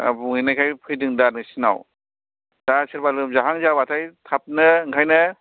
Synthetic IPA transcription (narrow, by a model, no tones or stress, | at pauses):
a̰buŋɯjnajkʰajpʰɯjdɯŋdanɯsina̰w | d̥asiɾbalɯmzaɦaŋzabatʰajtʰap̚nɯɯŋkʰajnɯ